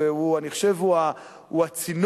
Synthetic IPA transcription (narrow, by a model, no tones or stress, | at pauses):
euaniχo̥ʃevua | huat͡sin